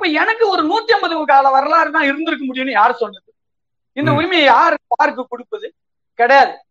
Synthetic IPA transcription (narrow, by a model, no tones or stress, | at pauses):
ɪpːoːɛnɐkːɯɔɾɯnuːt̪ːijɐmbɐðɯʋɯkaːlɐʋɐɾɐlaːɾɯt̪ãːɪɾɯnd̪ɪɾɯkːɐmʊɽɪjʊnːɯjaːɾɯsɔlːɐðɯ | ɪnd̪ɐʊɾɪmɐjɐjaːɾɯpaːɾɯk̬ːɯkʊɽɯpːɯðɯ | kɐɽɐjaːðɯ